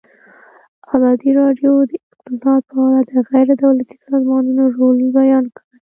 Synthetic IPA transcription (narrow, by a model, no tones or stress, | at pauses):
ɑzɑd̪iɾɑɖjod̪əɪq̚t̪ɪsɑd̪̚pəalad̪əɣajɾed̪awlat̪i̥sɑzmɑnunoɾolbajɑnkəɽe